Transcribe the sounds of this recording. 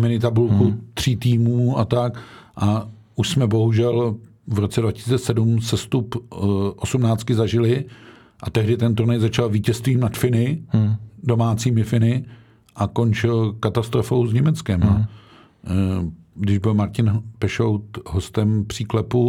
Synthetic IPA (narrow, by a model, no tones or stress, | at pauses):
mɪnɪt̪abulkut̪r̝̥iːt̪iːmuːat̪akʔa | ʔuʃsmɛbo̞ɦuʒɛl | vɾo̞t͡sɛdvacɪsiːt͡sɛsɛdumsɛst̪upʔosumnaːt͡st̪kɪzaʒɪlɪ | ʔat̪ɛɦdɪt̪ɛnt̪uɾnɛjzat͡ʃalviːcɛst̪viːmnat̪fɪnɪ | do̞maːt͡siːmɪfɪnɪ | ʔako̞nt͡ʃɪlkat̪ast̪ɾofowzɲɛmɛt͡skɛma | ɡdɪʒbɪlmaɾcɪnpɛʃowt̪ɦost̪ɛmpr̝̥iːklɛpu